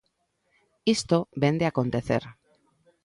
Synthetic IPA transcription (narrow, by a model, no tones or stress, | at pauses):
ist̪oβend̪eakõnt̪eθḛɾ